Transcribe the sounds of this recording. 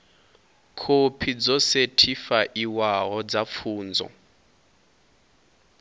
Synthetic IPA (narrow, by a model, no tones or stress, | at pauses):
kʰopʰid͡zɔsetʰifaʔiwaɦɔd͡zap̪fʰuːnd͡zɔ̰